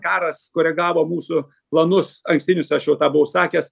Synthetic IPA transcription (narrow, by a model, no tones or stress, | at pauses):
kɑːɾɐskoɾʲɛɡɑːʋoːmuːsʊ | plˠɐnʊsɐŋksʲt̪ʲɪnʲʊsʲɐʃjɛʊt̪ɑːbʊʋʊsɑːkʲɛːs